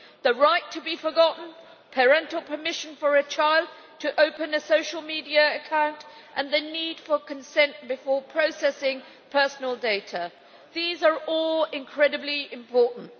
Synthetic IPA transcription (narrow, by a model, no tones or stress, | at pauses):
ðəɹaɪtʰəbifəɡɑʔn̩ | pʰəɹɛ̃ntˡl̩ˠpʰə˞mɪʃɨ̃nfə˞ɨt͡ʃʰaɪlˠd̚ | tʰəʔoʊpɨ̃nɨsoʊʃl̩ˠmidiɨːkʰãʊ̃ntʔə̃nðɨnid̥fə˞kʰɨ̃nsɛ̃nʔb̥ɨfɔɹpʰɹ̥oʊsɛsɪ̃ŋ | pʰɜ˞sn̩l̩ˠdeɪɾə | ðizə˞ɔlˠɪ̃nkʰɹ̥ɛɾɨbliɪ̃mpʰɔɹʔn̩t